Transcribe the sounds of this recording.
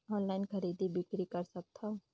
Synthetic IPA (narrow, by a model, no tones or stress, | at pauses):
ɔːnlaːɪnkəɾiːd̪ibɪkɾikəɾsək̚t̪ʰa